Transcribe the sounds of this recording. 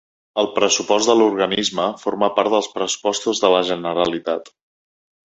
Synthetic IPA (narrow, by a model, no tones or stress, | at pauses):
əlˠpɾəsupɔzt̪d̪əluɾɣənizməfoɾməpaɾt̪ðəlˠspɾəsu̥pɔst̪uzðələʒənəɾəlit̪at̪